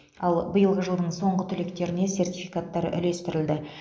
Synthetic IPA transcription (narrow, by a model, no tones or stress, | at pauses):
ɑlˠbəjəlˠʁəʒəlˠd̪əɴso̞ɴʁət̪ʰʏle̞kt̪e̞ɾɪne̞se̞rt̪ʲijfijkat̪ːɑɾʏ̰le̞st̪ɪɾɪld̪ɪ